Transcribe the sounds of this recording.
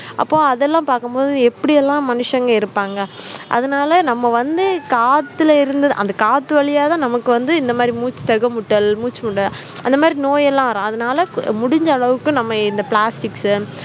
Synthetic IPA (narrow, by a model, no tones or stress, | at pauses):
ʔɐ̰pːõːɐðɛlːãːpaːɾkɯmpoːðɯɛpːɐɽɪjɛlːãːmɐnɯʂɐŋɡɐɪɾɯpːaːŋɡɐʔɐ̰ðɐnaːlɐnɐmːɐʋɐnd̪ɯkaːt̪ːɪlɐɪɾɯnd̪ɐðɯʔɐ̰nd̪ɐkaːt̪ːɯʋɐɭɪjaːt̪ãːnɐmɐkːɯʋɐnd̪ɯɪnd̪ɐmaːd̪ɾimuːt͡ʃːɯ̥t̪ɐɣɐmʊʈːɐlmuːt͡ʃːɯmʊʈːɐl | ʔɐnd̪ɐmaːd̪ɾinoːjɛlːãːʋɐɾãːɐðɐnaːlɐmʊɽɪɲd͡ʒɐːɭɐʋɯkːʊ̃nɐmːɐɪnd̪ɐpɭaːsʈɪksɯ